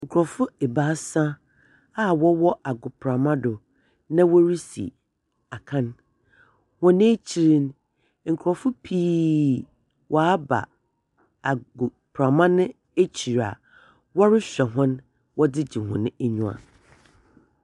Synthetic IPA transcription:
ŋ̩˨kʰɾɔ˨fʊ˦ɛ˨baː˦sã˦ | a˦wɔ˦wɔ˦a˨ɡʊ˨pʰɾã˨mã˦dʊ˨ | nã˦wɔ˦ɾi˦sḭ˨ | a˨kʰã˦n | hʊ̃˨nɪ̃˦e˦t͡ɕʰi˨ɾĩ˦n˦ | ŋ̩˨kʰʊ˨ɾɔ˨fʊ˦pʰiː˦ | wʔɔ˨˦ba̰˨ | a˨ɡʊ˨pʰɾã˨mã˦nɪ̃˦ | e˦t͡ɕʰi˨ɾa̰˨ | wɔ˦ɾɪ˦ɕᶣɛ˨ɦɔ̃˦n | wɔ˦dɪ˦d͡ʑi˨hʊ̰̃˨nɪ̃˦æ˦ɲũ˨a̰˨

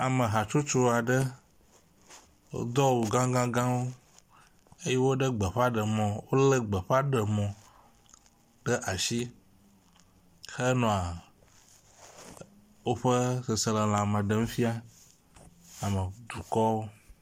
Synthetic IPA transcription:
a˨mə̃˨ɦa˨t͡ʃo˦t͡ʃo˦a˨ɖə˦ | wo̰˦d̪ɔ˦wu˨ɡã˦ɡã˦ɡã˦wo˦ | e˦je˦wo˦ɖə˦ɡ͡bə˨ɸa˦ɖə˨mɔ̃˨wo˦lə˦ɡ͡bə˨ɸa˦ɖə˨mɔ̃˨ | ɖə˦ʔa˨ʃi˦ | xə˦nɔ̃˨a˨ | wo˦ɸə˦sə˨sə˨˦lə˨lã˨mə̃˨ɖə˦ŋ̩̃˦fi˦a˦ | a˨mə̃˨d̪u˨kɔ˦wo˦

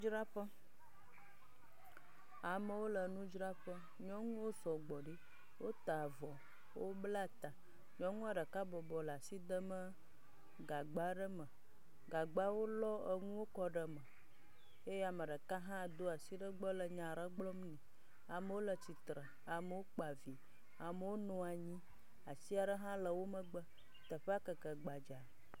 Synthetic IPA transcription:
d͡ʒɾa˦ɸə˦ | a˨mə˨wo˦lə˨nũ˦d͡ʒɾa˦ɸə˦ | ɲɔ̃˦ŋũ˦wo˦sɔ˨ɡ͡bɔ˨ɖi˦ | wo˦t̪a˨vɔ˨ | wo˦bla˦t̪a˨ | ɲɔ̃˦ŋũ˦a˨ɖə˨ka˦bɔ˨bɔ˨la˨si˦d̪ə˦mə˦ | ɡa˨ɡ͡ba˦ɖə˦mə˨ | ɡa˨ɡ͡ba˦wo˦lɔ˦ə˨ŋũ˦wo˦kɔ˦ɖə˦mə˨ | e˦ja˨mə˨ɖə˨ka˦ɦã˦˨d̪o˦a˨si˦ɖə˦ɡ͡bə˦lə˨ɲã˨ɾə˦ɡ͡blɔ˦mnĩ˨ | a˨mə˦wo˦lə˨t͡ɕi˨t̪ɾə˨ | a˨mə˨wo˦k͡pa˨vi˨ | a˨mə˨wo˦nɔ̃˨a˨ɲĩ˦ | a˨si˦a˨ɖə˦ɦã˦lə˨wo˦mə˨ɡ͡bə˦ | t̪ə˨ɸe˦a˦kə˨kə˨ɡ͡ba˨d͡ʒa˨

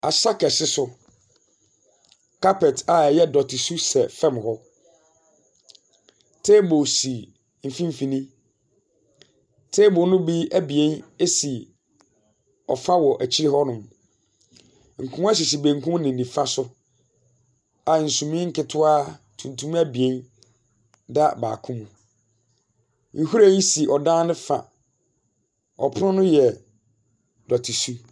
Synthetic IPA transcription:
a˨ɕa˦kʰɛ˨sɪ˦sʊ˦ | kʰa˦pʰɛ˨tʰa˨ɛ˨jɛ˦dɔ˨tʰɪ˨su˦sɛ˨fɛ̃˦mhɔ˦ | tʰeː˦bo˨si˨ | m̩˨fĩ˦m̩˨fĩ˨nĩ˦ | tʰeː˦bo˨nʊ̃˦bi˦æ˦bi˨e˦ne˦si˨ | ɔ̰˨fa˦wɔ˨ʔæ˨t͡ɕʰi˦ɾi˦ɦɔ˦nʊ̃˨m | ŋ̩˨kʰʊ̃˦m˦a˦ɕ̬i˨ɕi˨bẽ˨ŋ˨kʰũ˦mnɪ̃˨n˨nĩ˨fa˦sʊ˦ | a˨n̩˨sũ˨mĩ˦ŋ̩˦kɪ˦tʰʊ˦a˦tʰũ˨ntʰũ˦mæ˦bi˨ẽ˦n | da˦ba̰ː˨kʰũ˦mũ˨ | ŋ̩˨ɦu˦ɾæ˦ni˦si˨ʔɔ˨dã˦nʊ̃˦fa̰˨ | ɔ̰˨pʰʊ˦ʊ̃˦nʊ̃˦jɛ˨ | da˨tʰi˨su˦

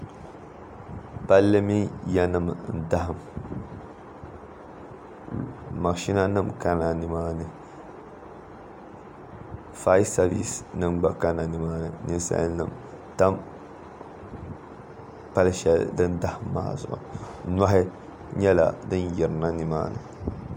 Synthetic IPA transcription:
pa˦lːɨ˦mi˦njɛ˦nɨ˦m˨n̩˨da˦ɦɨ˨m | ma˨ʃi˦na˦nɨ˦mka˦na˨ni˦maː˦nɨ˨ | fa˦jsa˦vḭ˨snɨ˦mɡ͡ba˦ka˦na˨nɨ˦maː˦nɨ˨nɨ˦sa̰˦nɨ˦˨m | ta˦m | pa˦lʃɛ˨ldɨ˦n˦da˦hɨ˨mːa̰ː˨zʊ̰˨ʔʊ̰˨ | na˦ɦɪ˦ | ɲɛ˦la̰˨dɨ˦n˦jɛ˨ɾɨ˨na˦ni˦ma̰ː˦nɨ̰˨

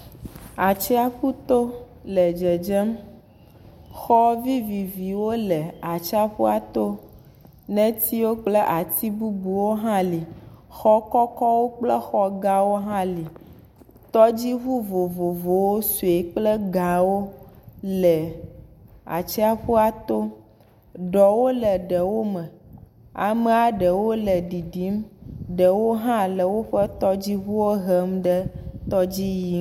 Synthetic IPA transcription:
a˨t͡ʃi˦a˦ɸu˦t̪o˦ | lɛ˨d͡ʒɛ˨d͡ʒɛ˦m | xɔ˦vi˦vi˨vi˨wo˦lɛ˨a˨t͡ʃi˦a˦ɸu˦a˨t̪o˦ | nɛ̃˦t̪i˦wo˦k͡plɛ˦ʔa˨t̪ʰi˦bu˦bu˨wo˦ɦã˦li˨xɔ˦kɔ˦kɔ˦wo˦k͡plɛ˦xɔ˨ɡa˦wo˦ɦã˦li˨ | t̪ɔ˦d͡ʑi˦βu˦vo˨vo˨vo˨wo˦su˨e˨k͡plə˦ɡa˨wo˦lə˨ | a̰˨t͡ʃi˦a˦ɸu˦a˦t̪o˦ | ɖɔ˨wo˦lə˨ɖə˨wo˦mə̃˨ | a̰˨mə˦a˨ɖə˨wo˦lə˨ɖi˨ɖi˨˦mɖə˨wo˦ɦã˦lə˨wo˦ɸə˦t̪ɔ˦d͡ʑi˦βu˦wo˦ɦə˦mɖə˦t̪ɔ˦d͡ʑi˦ji˦

